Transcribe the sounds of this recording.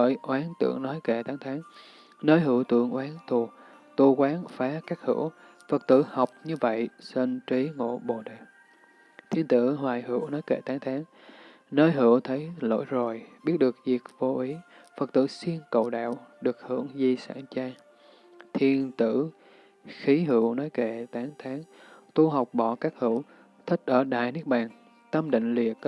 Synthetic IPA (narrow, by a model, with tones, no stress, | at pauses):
ə̰˧˨jʔwaː˨˦nt̪ɨ̰˧˩əŋnɔ˨˦jke˧˩t̪aː˨˦ŋt̪ʰaː˨˦ŋ | nəː˧jɦɨ̰˧˩əwt̪ɨ̰˧˨əŋʔwaː˨˦nt̪ʰu˨˩ | t̪u˧˩kwaː˨˦nfaː˨˦kaː˦˥k̚hɨ̰˧˥əw | fə˨˩t̚t̪ɨ̰˧˨ha˨˩wk͡p̚ɲɨ˧və̰˧˨jse˧nt͡ɕi˨˦ŋo̰˧˨ɓo˨˩ɗe˨˩ | t̪ʰi˧ənt̪ɨ̰˧˨ɦwaː˨˩jhɨ˧˩əwnɔ˨˦jke˧˩t̪aː˨˦ŋt̪ʰaː˨˦ŋ | nəː˧jɦɨ̰˧˩əwt̪ʰə˨˦jlo̰˧˥jzo˨˩jɓi˦˥ət̚ɗɨ˨˩ək̚zi˨˩k̚vo˧ʔi˨˦ | fə˨˩t̚t̪ɨ̰˧˩si˧ənkə̰˧˨wɗa̰ː˧˨wɗɨ˨˩ək̚hɨ̰˧˩əŋzi˨˩sa̰ː˧˩nt͡ɕaː˧ | t̪ʰi˧ənt̪ɨ̰˧˥ | xi˨˦ɦɨ˧˩wnɔ˨˦jke˧˩t̪aː˨˦ŋt̪ʰaː˨˦ŋt̪u˧ɦa˨˩wk͡p̚ɓɔ˧˩˨kaː˦˥k̚hɨ˧˥w | t̪ʰï˦˥k̚ʔəː˧˩ɗa̰ː˧˨jnɨ˦˥ək̚ɓaː˨˩n | t̪ə˧mɗḭ̈˧˨ŋ̟lḭ˧˩˨ə